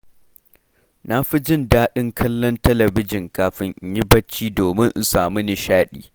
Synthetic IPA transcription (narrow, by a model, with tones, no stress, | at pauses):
na˦ɸi˦d͡ʒɪ˦˨ndaː˦ɗɪ˦ŋkʰɐ˦lːɔ˦ntɐ˦lɐ˨bɪ˦d͡ʒɪ˨ŋkaː˨ɸɪ˦ŋʔɲjɪ˦bɐ˦t͡ʃːiː˦doː˨mɪ˦ŋʔ̩˨˦saː˨mu˦nɪ˨ʃaː˦ɗḭː˦˨